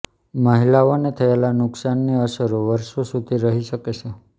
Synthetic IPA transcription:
məɦilaonet̪ʰəelanʊksanːiəsəɾoʋəɾʃosud̪ʱiɾəɦiʃəket͡ʃʰe

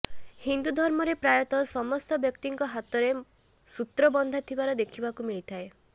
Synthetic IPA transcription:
hind̪ud̪ʱɔɾmɔɾepɾajɔt̪ɔsɔmɔst̪ɔbjɔkt̪iŋkɔɦat̪ɔɾe | sut̪ɾɔbɔnd̪ʱat̪ʰibaɾɔd̪ekʰibakumiɭit̪ʰae

